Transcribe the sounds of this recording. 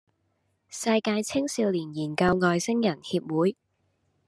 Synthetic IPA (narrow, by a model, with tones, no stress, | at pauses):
sɐ˧jkaː˧jt͡sʰɪ˥ŋsiː˧wliː˨˩njiː˨˩nkɐ˧wŋɔː˧jsɪ˥ŋjɐ˨˩nhiː˧p̚wuː˨˥j